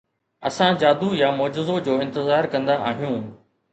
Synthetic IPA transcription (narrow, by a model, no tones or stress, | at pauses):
ɐ̰sãd͡ʑaːd̪ujamɔːd͡ʑɪzod͡ʑoːɪ̃nt̪ɪzaːɾkɐ̃nd̪aʔaːɦijũː